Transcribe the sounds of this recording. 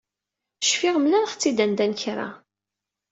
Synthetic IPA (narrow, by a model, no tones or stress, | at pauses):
ʃfiʁmlænχt͡sːid̪ænd̪ænçɾˤa̰